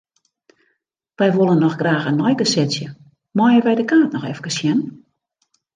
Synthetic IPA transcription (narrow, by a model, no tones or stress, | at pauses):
ʋɛjʋolˠənːɔxɡraːxənːɔjkəsɪt͡sjə | mɔjəʋɛjdəkaːtnɔxɛfkəsjɛn